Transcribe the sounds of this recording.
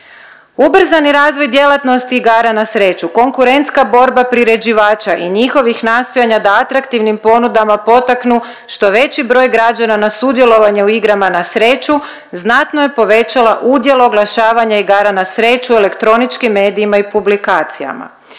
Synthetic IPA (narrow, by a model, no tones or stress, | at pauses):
ubr̩zaniɾaːzʋo̞jd̪je̞lat̪no̞st̪iːɡaːɾanasɾe̞ːt͡ʃuko̞ŋkuɾe̞nt̪skabo̞ɾbapɾiɾe̞d͡ʑiʋaːt͡ʃaʔiɲixo̞ʋixnaːst̪ojaɲad̪aat̪ɾakt̪iʋnimpo̞nud̪amapo̞t̪aknu | ʃt̪o̞ʋe̞t͡ɕibɾo̞ːjɡɾad͡ʒananasud̪je̞lˠo̞ʋaɲe̞uiɡɾamanasɾe̞ːt͡ʃu | znat̪nojepo̞ʋe̞t͡ʃalaʔud̪je̞loːɡlˠaʃaːʋaɲaiɡaːɾanasɾe̞ːt͡ʃue̞le̞kt̪ɾo̞nit͡ʃkimːe̞ːd̪iimaipublikaːt̪sija̰ma̰